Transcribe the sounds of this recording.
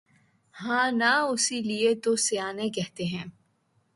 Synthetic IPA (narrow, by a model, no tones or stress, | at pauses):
hãːnaʊsiliet̪oseaːnẽkɛɦt̪eɦɛ̃ː